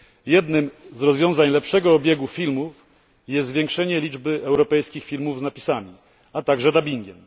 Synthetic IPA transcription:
jɛd̪nɘmzɾɔzvʲjɔ̃w̃zaɲlɛpʂɛɡɔɔbʲjeɡufʲilmuf | jɛst̪zvʲjɛ̃ŋkʂɛɲɛlʲid͡ʐbɘʔɛwɾɔpɛjskʲixfʲilmuvznapʲisamʲi | at̪aɡʐɛd̪abʲiŋɡʲɛm

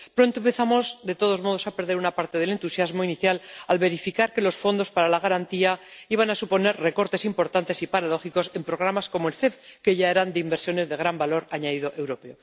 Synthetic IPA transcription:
pɾo̞nt̪oempeθamo̞zd̪e̞t̪o̞ð̞o̞zmo̞ð̞osape̞ɾðeɾunapaɾt̪e̞ð̞e̞le̞nt̪usjazmo̞iniθjalalβe̞ɾifikaɾke̞lo̞sfo̞nd̪o̞spaɾalaɣaɾant̪iaiβanasupo̞ne̞ɾre̞ko̞ɾt̪e̞simpo̞ɾt̪ant̪esipaɾaðo̞xiko̞se̞mpɾoɣ̞ɾamasko̞moelθe̞pke̞ʝae̞ɾand̪eimbe̞ɾsjo̞ne̞zðe̞ɣ̞ɾambalo̞ɾaɲaðiðo̞ʔe̞wɾo̞peo

